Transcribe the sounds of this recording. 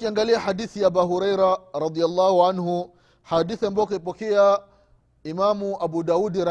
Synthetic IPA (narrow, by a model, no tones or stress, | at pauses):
kiaŋɡaliahadiθijaːbaɦuɾajɾaɾɑd̪ialːahuʕanhu | hadiθiambaɔk̬aipɔkɛa | imamuʔabudaudiɾa